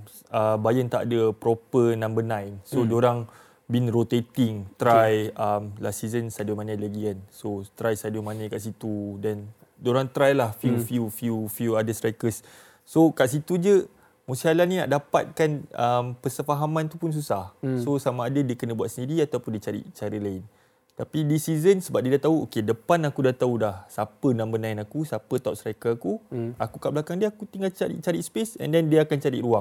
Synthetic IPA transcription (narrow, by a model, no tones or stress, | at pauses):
əbajənt̪aʔadəpɾopənãmbənãjnsodoɾaŋ | binrot̪et̪iŋt̪ɾajəmlasizənsadəmãnãlaɡikansot̪ɾajsadumãnə̃kaʔs̬it̪udan | doɾaŋt̪ɾajlahfufjufjufjuadəsɾakəsː | okaʔs̬it̪ud͡ʒə | mũsiɦalanina̰ʔdapa̰t̪̚kanəmpəsəfaɦamãnt̪upuns̬usahsosamaːdadiəkənə̃buat̪səndiɾiat̪awpʊndiət͡ʃaɾḭʔt͡ʃaɾəlaɪn | t̪apidisizənsəbap̚diədat̪auokedəpanakudat̪aulahsapənãʔmbənãinakusapət̪aṵʔ̚st̪ɾajkəakuakukaʔbəlakaŋdiəakut̪iŋalt͡ʃaɾḭʔ̚t͡ʃaɾispesɛ̰ndɛndiəakant͡ʃaɾḭʔɾuaŋ